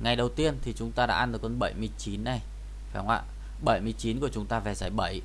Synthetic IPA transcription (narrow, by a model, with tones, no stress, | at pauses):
ŋa˨˩jɗə˨˩wt̪i˧ənt̪ʰi˨˩t͡ɕʊ˨˦ŋ͡mt̪aː˧ɗa̰ː˧˥ʔa˧nɗɨ˨˩kwə˧nɓə˧˩jmɨ˧əjt͡ɕi˨˦nːa˨˩j | a˧˩hwŋ͡mʔa̰ː˧˨ | ɓə˧˩jmɨ˧˩əjt͡ɕi˨˦nku˧˩ə˩t͡ɕʊ˨˦ŋ͡mt̪aː˧va˨˩zaː˧˩jɓə˧˩j